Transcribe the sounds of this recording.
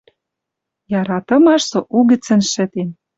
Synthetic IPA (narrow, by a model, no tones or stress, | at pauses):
jɑɾɑt̪ɤ̆mɑʃsoʔuɣɘ̆t͡sɘ̆nʃɘ̆t̪en